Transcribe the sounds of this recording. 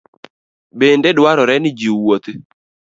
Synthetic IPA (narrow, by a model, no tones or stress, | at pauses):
bendedwaɾɔɾɛnɪd͡ʒiwot̪